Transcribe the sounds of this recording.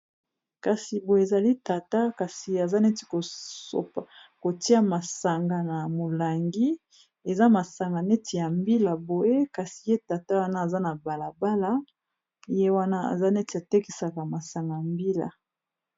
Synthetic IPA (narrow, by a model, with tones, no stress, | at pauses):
ka˨si˨bo˨e˨za˨li˦ta˨ta˦ka˨si˨a˨za˦ne˦ti̥˨ko˨so̰˨pa˨ko˨ti˦a˦ma˨sa˨ŋɡa˨na˨mo˨la˨ŋɡi˦ | e˨za˦ma˨sa˨ŋɡa˨ne˦ti˨ja˨mbi˦la˨bo˨je˦ka˨si̥˨je˦ta˨ta˦wa˦na˦a˨za˦na˨ba˨la˨ba˦la˦ | je˦wa˦na˦a̰˨za˦nɛ˦ti˨ja˨te˦ki˨sa˨ka˨ma˨sa˨ŋɡa˨a˨mbi˦la̰˨